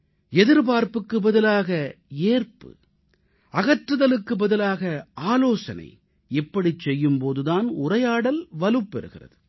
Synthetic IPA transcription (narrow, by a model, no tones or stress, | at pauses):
ɛðɪɾpaːɾpɯkːɯbɐðɪlaːɣɐeːrpɯ̰ | ɐɣɐʈrɯðɐlɯkːɯbɐðɪlaːɣɐaːloːsɐnɐ̰ɪ | ɪpːɐɽit͡ʃːɛjːɯmpoːðɯðaːnʊrɐjaːɽɐlʋɐlɯpːɛɾɯɣɪ̰rɐ̰ðɯ